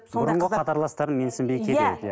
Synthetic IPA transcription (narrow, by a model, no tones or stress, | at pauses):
bʊɾəɴʁəqʰɑt̪ɑɾlˠɑst̪ɑɾənme̞nsɪmbejkʲʰeed̪